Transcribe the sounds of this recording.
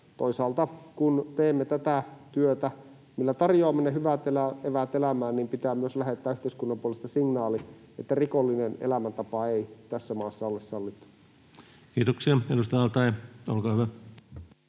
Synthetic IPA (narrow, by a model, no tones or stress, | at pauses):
t̪oisɑːlt̪ɑkunt̪eːmːet̪æt̪æt̪yøt̪æ | milːæt̪ɑrjoɑmːenːeɦyʋæt̪elæeʋæt̪elæmæːnniːmpit̪æːmyøslæɦet̪ːæːyht̪eiskunːɑmpuolest̪ɑsiŋnɑːli | et̪ːærikolːinenḛlæmænt̪ɑpɑeit̪æsːæmɑːsːɑolːesːɑlːit̪ːu̥ | kiːt̪oksiɑedust̪ɑjɑɑlt̪ɑjo̰lkɑːhyʋæ